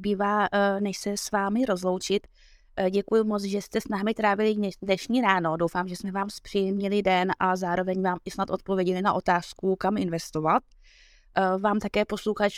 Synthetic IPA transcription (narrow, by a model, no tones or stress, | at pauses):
biːvaːnɛʃsɛsvaːmɪɾo̞zlo̞wt͡ʃɪt̪ | ɟɛkujumo̞t͡sʒɛst̪ɛsnaːɦmɪt̪ɾaːvɪlɪdnɛʃɲiːɾaːno̞do̞wfaːmʒɛsmɛvaːmspr̥ɪjɛmɲɪlɪdɛnʔazaːɾo̞vɛɲvaːmɪsnat̪ʔo̞t̪̚po̞vjɛɟɛlɪnaʔo̞t̪aːskukamɪnvɛst̪o̞vat̪̚ | vaːmt̪akɛːpo̞sluxat͡ʃ